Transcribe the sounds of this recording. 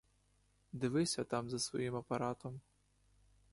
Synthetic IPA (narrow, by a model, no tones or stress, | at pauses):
d̪ɪʋɪsʲɐt̪amzɐsʋɔ̰jimɐpaɾat̪ɔm